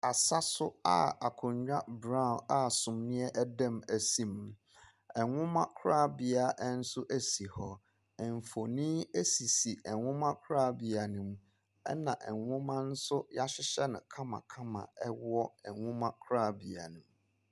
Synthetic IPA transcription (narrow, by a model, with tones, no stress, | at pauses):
a˨sa˦sʊ˦a̰˨a˨kʰʊ̃˨ɲɲᶣã˦bɾã˦˨na˨sʊ̃˨mnɪ̃˦ɛ˦ʔæ˦dɛ̃˦˨mæ˨sĩ˦˨m˨˦ | ɛ˨ŋʊ̃˦mã˦kʰʊ˦ɾa˦˨bi˨a˨ʔɛ˦n̩˦sʊ˦ʔæ˦si˨hɔ˦ | ɛ˨ɱ˨fo˨nĩ˦e˦si˨si˨ɛ˨ŋʊ̃˦mã˦kʰɾa˦˨bi˨a˨nũ˨m | ɛ̰˦nã˨ʔɛ˨ŋʷʊ̃˦mã˦n̩˦sʊ˦ja˦ɕɪ˦ɕɛ˦nɪ̰̃˨kʰã˦mã̰˨kʰã˦mã̰˨ɛ˦wɔ˦ɛ˨ŋʊ̃˦mã˦kʰɾa˦˨bi˨a̰˨nũ˨m